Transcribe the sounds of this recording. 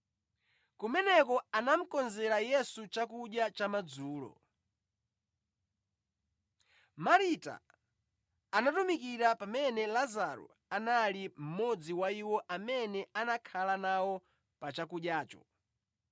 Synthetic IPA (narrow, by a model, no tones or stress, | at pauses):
kumɛnɛkɔanam̩kɔnzɛɾajɛsut͡ʃakuɗjat͡ʃamad͡zuːlɔ̰ | maɾita̰ | natumikiɾapamɛnɛlazaɾṵ | analim̩mɔd͡ziwaiwɔʔamɛnɛanakʰalanawɔ | pat͡ʃakuɗjaːt͡ʃɔ̰